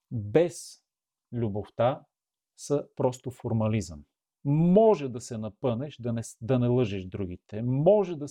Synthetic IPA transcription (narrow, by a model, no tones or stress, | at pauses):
bɛs | lʲuboft̪a | səpɾɔst̪ofoɾmɐlizə̰m | mɔʒɛd̪ɐsɛnɐpɤnɛʃd̪ɐnɛd̪ɐnɛlˠɤʒɛʃd̪ɾuɡ̟it̪ɛmɔʒɛd̪ɐ